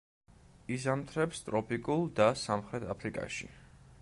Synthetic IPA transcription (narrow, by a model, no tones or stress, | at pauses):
izamt̪ʰɾɛpst̪ʼɾɔpʰikʼulˠd̪asamχɾɛt̪ʰapʰɾikʼa̰ʃḭ